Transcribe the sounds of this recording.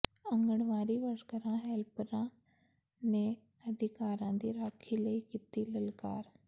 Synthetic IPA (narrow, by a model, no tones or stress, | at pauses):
ə̃ŋɡəɳʋaːɾiːʋəɽkəɾãːɦɛːlpəɾãː | neː | əd̪ʱɪkaːɾãːd̪iːɾaːkʰiːləiːkit̪iːləlka̰ːɾ